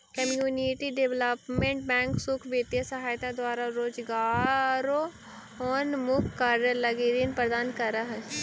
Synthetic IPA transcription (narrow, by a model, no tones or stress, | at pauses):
kəmjuːniʈiɖɪʋləpmẽɳʈ̚bɛ̃ːŋksʊkʰbeːt̪jasɐɦaːjt̪ad̪waːɾaɾoːd͡ʒɡaːɾo | ɔːnmʊkkaɾəlɐɡiɾinpɾəd̪aːnkɐɾaɦɛ